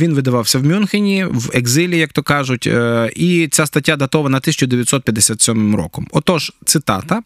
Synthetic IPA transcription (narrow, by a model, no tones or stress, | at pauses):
ʋinʋɪd̪ɐʋɑwsʲɐwmʲunxɪnʲiweɡzɪlʲijɐk̚t̪ɔkɑʒʊtʲʔit͡sʲast̪ɐtʲːad̪ɐt̪ɔʋɐnɐt̪ɪsʲt͡ʃʊd̪eʋʲjɐt̪ʲsɔt̪̚pʲjɐd̪ːesʲat̪sʲɔmɪmrɔ̰kɔmɔt̪ɔʒt̪sɪt̪ɑ̰t̪ɐ